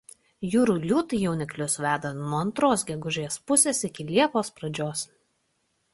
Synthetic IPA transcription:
juːɾuːlʲuːt̪ɨjɛʊnʲɪklʲʊsʋʲæːd̪ɐnuɔɐnt̪ɾoːsɡʲɛɡʊʒʲeːspʊsʲeːsɪkʲɪlʲiɛpoːspɾɐd͡ʒʲoːs

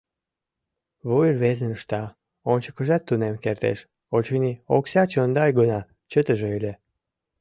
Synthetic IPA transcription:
βujərβezənəʃt̪ɑ | onʲt͡ɕəkə̆ʒɑt̪ːunemkert̪ḛʃ | ot͡ɕənioksɑt͡ɕənd̪ɑjɡənɑ | t͡ɕət̪əʒeølʲe

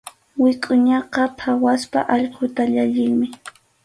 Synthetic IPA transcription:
wɪkʼʊɲɑqɑpʰawaspa̰ʔɑʎqʰʊt̪aʎaʎɪŋmɪ

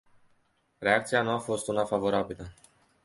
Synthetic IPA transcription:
ɾe̞ak̚t̪sianuafo̞st̪unafavo̞ɾabilə

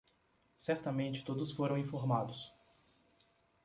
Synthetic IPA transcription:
sɛɾt̪ɐmẽnt͡ʃɪ̥t̪od̪ʊsfoɾɐ̃w̃ĩfoɾmad̪ʊs

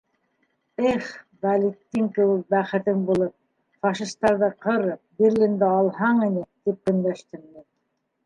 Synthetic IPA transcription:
ɘχbɑlit̪ːɘŋkɘ̆wɘk̚bæχɘ̆t̪ɘŋbulˠɤp̚ | fɑʃist̪ːɑɾðɤqɤ̆ɾɤbiɾlʲind̪æɑlˠɦɑɴinɘt̪ip̚kɵ̆nd̪æʃt̪ɘmmi

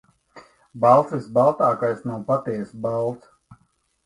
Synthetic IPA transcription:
balˠsisbalˠt̪aːkajsnawpat̪ɛsbalˠt̪s

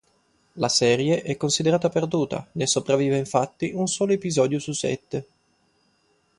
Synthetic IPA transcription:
lasɛːɾjeʔɛkːonsid̪eɾaːt̪aperd̪uːt̪a̰nesːopɾavːiːveiɱfat̪ːiʔunsɔːloepizɔːd̪jususːɛ̰t̪ːe

